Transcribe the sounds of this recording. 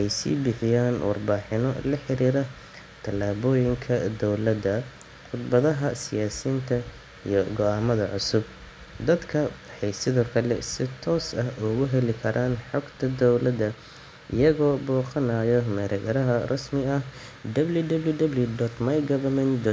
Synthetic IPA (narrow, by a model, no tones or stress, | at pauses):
ɛjsḭːbɪħɪjaːnwɑ̰rbaːħɪnɔlɐħɪɾiːɾɐ | t̪ʰɐlaːβɔːjɪŋkʰɐd̪ɔwlɐd̪ɐ | qʊd̪bɐðɐɦɐsɪjaːsiːnt̪ʰɐ | ijɔɡɔaːmɐðɐʕʊsʊb̚ | d̪ɐd̪kʰɐwħɑjsɪðɔːkʰɐlɛ̰sɪt̪ʰɔːsɐɦʊɣʊɦɛlɪkʰɐɾʔaːnħɔɡt̪ʰɐd̪ɔwlɐd̪ɐ | ʔɪjɐɣɔːbɔːqɐnaːjɔmɛɾɐɣɐɾɐɦɐrʔɐsmɪɐh | d̪ɐbljud̪ɐbljud̪ɐbljʊd̪ɔt̪mɐjɡɐβɐmɛnd̪ɔ